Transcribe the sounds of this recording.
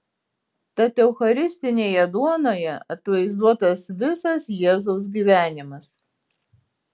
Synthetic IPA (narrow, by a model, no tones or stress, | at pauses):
t̪ɐt̪ʲɛʊxɐɾʲɪsʲt̪ʲɪnʲeːjɛd̪uɔnoːjɛɐt̪ʋɐɪzd̪uɔt̪ɐsʋʲɪsɐsjiɛzɔʊs̬ɡʲiːʋʲæːnʲɪmɐs